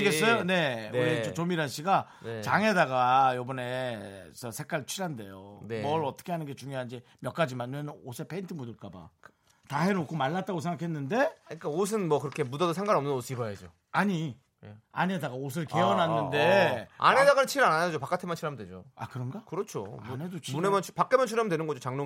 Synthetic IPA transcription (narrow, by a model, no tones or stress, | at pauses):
iɡes͈ʌjone̞it͡ɕot͡ɕomiɾanɕ͈iɡa | t͡ɕaŋe̞daɡajobʌne̞sʰʌsʰek͈aɭt͡ɕʰiɾɦande̞̰jo̰nemʌɾʌt͈ʌ̥kʰe̞ɦanɯnɡe̞t͡ɕuŋjoɦanid͡ʑe̞ | mjʌk͈ad͡ʑimanenɯnosʰepʰe̞intʰɯmudɯɭk͈aba̰ | taɦenokʰomaɭːat̚t͈aɡosʰe̞ŋɡakʰenːɯnde̞ɯk͈aos̬ʰɯnmʌkɯɾʌkʰe̞mudʌdosʰeŋɡaɾʌmnɯnosʰɯibʌjad͡ʑo | aɲi | a̰ne̞daɡaos̬ʰɯɭke̞ʌnɦanɯnde̞a̰nedaɡanɯt͡ɕʰiɾananad͡ʑopak͈atʰemant͡ɕʰiɾamdwed͡ʑo̰a̰kɯɾʌnɡakɯɾʌt͡ɕʰo̰munɦedot͡ɕʰmunemʌnʰpak͈emjʌnt͡ɕʰiɾamdwenɯnɡʌd͡ʑot͡ɕaŋno